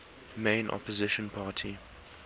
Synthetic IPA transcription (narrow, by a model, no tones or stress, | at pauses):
mẽɪ̃nʔɔ̰pəzɪʃə̃npʰaːtʰi